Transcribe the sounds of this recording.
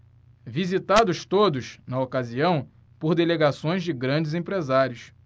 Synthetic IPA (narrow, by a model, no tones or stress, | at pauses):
vizit̪ad̪ʊʃt̪od̪ʊʃnɐokaziɐ̃w̃ | poɾd̪eleɡasõj̃zd͡ʒɪɡɾɐ̃d͡ʒɪzẽpɾezaɾjʊs